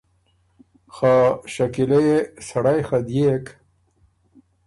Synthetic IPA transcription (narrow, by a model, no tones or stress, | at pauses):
xaːʃakilesɐɽajxad̪jek